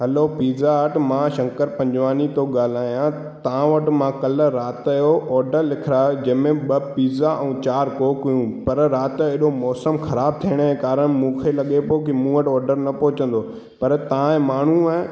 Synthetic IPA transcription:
ɦɐlopiːzaʋɐʈ̆ʰmãːʃɐ̃ŋkəɾpɐ̃ɲd͡ʑʋaːnit̪oɠaːl̤aːijã | t̪ɐʋãʋɐʈ̆mãːkɐlə̆ɾaːt̪ːjoʔɔːɾɖəɾlɪkʰɪɾaːed͡ʑɐ̃ːmẽɓɐpiːzaʔɛ̃ːt͡ɕaːɾkoːkʊjũpɐɾɾaːt̪ɪɦɪɗomɔːsəmxɐɾaːb̚t̪ʰiːəɽ̃ekaːɾəɽ̃mũːkʰelɐɠepoːkimũːʋəʈɔːɾɖəɾnɐpoɦɪt͡ɕə̃n̆d̪o | pɐɾt̪ɐãẽmaːɳ̤ũɛ̃

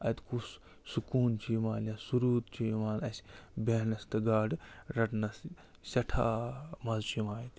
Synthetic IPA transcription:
ɐ̰t̪kʰus | sukuːnt͡ʃʰimaːnɐsuɾuːt̪t͡ʃʰimaːnɐsʲbeːnɐst̪ɐɡaːɖɾɐʈnɐs | sɐʈʰa̰ːmɐzt͡ʃʰimaːjt̪

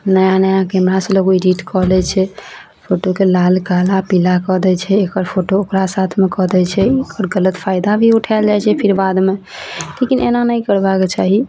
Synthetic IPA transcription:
nəjanəjãkemɾaseloɡoiɾiʈkɔɦlɛt͡ʃʰɛ | pʰoʈokelalɡalapilakɔɦd̪ɛt͡ʃʰɛːkəɾpʰoʈookɾasat̪ʰmekɔɦd̪ɛt͡ʃʰɛekəɾɡələt̪pʰajd̪abʱiuʈʰald͡ʒajt͡ʃʰɛpʰiɾbad̪me | lekinʔḛnanəjkəɾbaket͡ʃaɦi

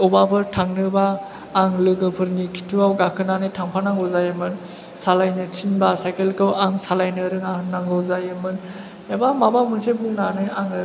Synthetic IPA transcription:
ɔbabɯɾtʰaŋnɯbaː | ŋlɯɡɯpʰɯɾnikʰi̥tʰuawɡakʰɯnanɯjtʰaŋpʰanaŋɡɯwzajɯmɯn | salajnɯtʰinbasajkelkɯwaŋsalajnɯɾɯŋaɦɯnnːaŋɡɯwzajɯmɯn | jabamabamɯnsebunanɯaŋɯ

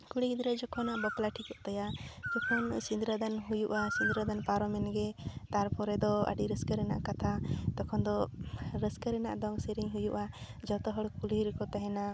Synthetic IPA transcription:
kuɽiɡid̪ɾəd͡ʒɔkʰɔnaʔbɔplaʈʰikɔʔt̪ajad͡ʒɔkʰɔnsind̪ɾad̪anɦujuʔasind̪ɾad̪anpaɾɔmɛnɡɛt̪aɾpɔɾɛd̪ɔə̰ɖiɾəskəɾɛna̰ʔkat̪ʰat̪ɔkʰɔnd̪ɔɾəskəɾɛna̰ʔd̪ɔŋsiɾiɲɦujuʔa | d͡ʒɔt̪ɔɦəɽkuliɾɛkɔt̪aɦɛna

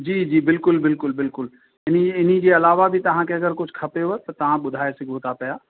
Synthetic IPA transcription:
d͡ʒiːd͡ʑiːbɪlkʊlbɪlkʊlbɪlkʊl | ɪniɪnid͡ʑeɐlaːʋabʱit̪ɐɦãkeɐɡəɾkʊt͡ʃʰkʰɐpeɦot̪ɐt̪ɐʋ̤ãɓʊd̪ʱaːesɪɡʱoːt̪apɐjaː

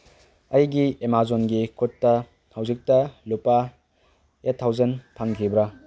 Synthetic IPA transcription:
ɐjɡiemazonɡikʰutːɐ | hɐwzik̚tɐlupa | etʰːawzɐnpʰaŋkʰibɾa

